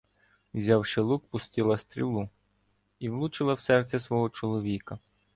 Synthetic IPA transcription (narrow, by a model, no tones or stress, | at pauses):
wzʲɑwʃɪlˠuk̚pʊst̪ɪlˠɐst̪ɾʲḭlˠu | iwlˠut͡ʃɪlˠɐwsɛrt̪sʲɛsʋɔɦɔt͡ʃɔlˠɔʋʲikɐ